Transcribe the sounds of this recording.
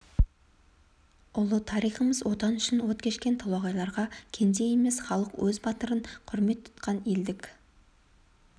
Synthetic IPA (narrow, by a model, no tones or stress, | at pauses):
ʊlˠət̪ʰɑɾijχəməzwo̞t̪ɑnʏʃɪnwo̞t̪̚kʲʰe̞ʃkʲe̞nt̪ʰɑlˠɑʁɑjlˠɑɾʁɑkʲʰe̞nd̪e̞jeme̞sχɑlˠəqwɵzbɑt̪əɾəɴqʰʊɾme̞t̪ʰːʊ̥t̪qɑneld̪ɪkʲ